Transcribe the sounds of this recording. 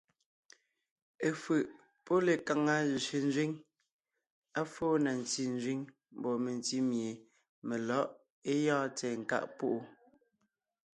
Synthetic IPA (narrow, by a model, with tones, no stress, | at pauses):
e˨fɯ˨ʔ | pɔ˦le˨ka˨ŋa˦zi˨se˨n̩˦zɥi˦ŋ | a˦foː˦na˨n˨ti˦n̩˦zɥi˦ŋ | m̩˨bɔ˨me˨n˨ti˦mje˨ | me˨lɔ˦ʔ | e˦jɔ̃ː˦tɛː˨ŋ̩˨ka̰˦˨ʔpu˦ʔu˦